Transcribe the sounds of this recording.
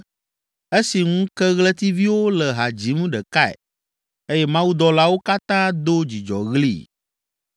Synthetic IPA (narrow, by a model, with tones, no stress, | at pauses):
e˦si˨ŋũ˦kɛ˦ɣlə˦t̪i˦vi˦wo˦lɛ˨ɦa˨d͡ʑi˨˦ŋũ˦ɖɛ˨ka˦ɛ̰˨ | e˦jɛ˦mã˦wu˦d̪ɔ˨la˦wo˦ka˦t̪ã˦d̪o˦d͡ʑi˨d͡ʒɔ̰˨ɣlḭ˦˨